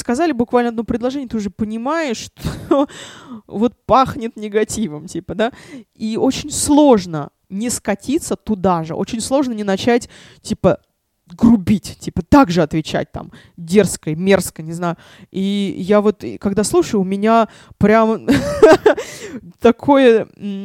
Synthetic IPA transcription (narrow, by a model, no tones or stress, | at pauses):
skɐzalʲɪbʊkvalʲnəɐd̪nopɾʲɪd̪lˠɐʐɛnʲjət̪ɨʊʐɨpənʲɪmaɪʂːt̪o | vo̞t̪̚paxnʲɪt̪nʲɪɡɐtʲivəmtʲipəd̪aio̞t͡ɕɪnʲslˠo̞ʐnə | nʲɪskɐtʲit̪sːət̪ʊd̪aʐɨ̰ʔo̞̰t͡ɕɪnʲslˠo̞ʐnənʲɪnɐt͡ɕætʲ | tʲipə | ɡrʊbʲitʲtʲipət̪aɡʐɨɐt̪vʲɪt͡ɕæ̰t̚ʲt̪a̰m | dʲe̞rskəjmʲe̞rskəjnʲɪznajʊ | ijavo̞t̪kɐɡd̪aslˠuʂəjʊʊmʲɪnʲa | pɾʲam | t̪ɐkʰo̞jə